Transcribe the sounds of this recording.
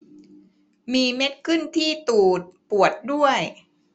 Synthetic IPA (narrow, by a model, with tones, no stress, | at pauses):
miː˧me˦˥t̪̚kʰɯ˥˩nt̪ʰiː˥˩t̪uː˨˩t̪̚pu˨˩ət̪̚du˥˩əj